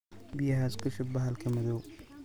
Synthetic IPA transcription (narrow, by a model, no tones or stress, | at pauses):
bɪjɐɦaːskʰʊʃɪbɐɦɐlkʰɐmɐðɔw